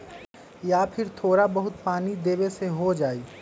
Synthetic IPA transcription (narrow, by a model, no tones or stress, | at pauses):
jaːpʰɪɾt̪ʰoːɾabɐɦʊt̪̚paːnid̪eːweseɦod͡ʒaːiː